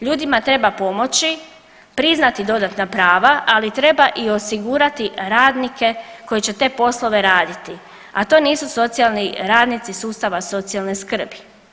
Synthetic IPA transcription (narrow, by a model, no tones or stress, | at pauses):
ʎuːd̪imat̪ɾe̞bapo̞mo̞t͡ʃi | pɾiznat̪id̪o̞d̪at̪napɾaːʋaʔalit̪ɾe̞baʔio̞siɡuːɾat̪iɾaːd̪nike̞ko̞jet͡ɕe̞t̪e̞ːpo̞slˠo̞ʋe̞ɾaːd̪it̪i | a̰t̪o̞niːsuso̞t̪sialˠniɾaːd̪nit̪sisuːst̪aʋaso̞t̪sialˠneskr̩bi